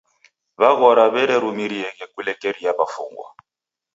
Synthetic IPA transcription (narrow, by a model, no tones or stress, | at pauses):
βaɣɔɾaβɛɾɛɾumiɾiɛɣɛkulɛkɛɾiaβafṵŋɡwa̰